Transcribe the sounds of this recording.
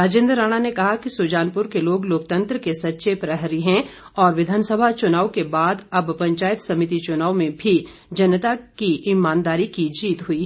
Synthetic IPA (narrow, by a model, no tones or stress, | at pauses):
ɾaːd͡ʒẽːnd̪ɾːaːɽ̃anekɐɦakisuːd͡ʒaːnpʊɾkeloːɡloːkt̪ɐ̃nt̪ɾəkesɐtːʃepɾɐɦɾiɦɛ̃ | ɔːɾʋɪd̪ʱaːnsəbʱat͡ʃʊnaːwkebaːd̪ɐbpɐ̃ɲt͡ʃaːjət̪sɐmɪt̪it͡ʃʊnaːwmẽbʱi | d͡ʒɐnət̪akiʔɪmaːnd̪aːɾikid͡ʒiːt̪ɦui